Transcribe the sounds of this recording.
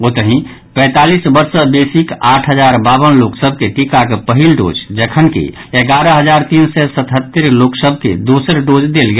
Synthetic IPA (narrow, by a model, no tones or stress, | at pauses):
ot̪əɦĩ | pɛ̃ːt̪alisbəɾsəbesikaʈʰɦəd͡ʒaɾbaβənloksəb̚ʱkeʈikakepəɦilɖo̰ːd͡ʒd͡ʒəkʰənkḛ | eɡaɾəɦəd͡ʒaɾt̪insɛsət̪ɦət̪ːəɾloksəb̚ʱkḛd̪osəɾɖod͡ʒd̪elɡe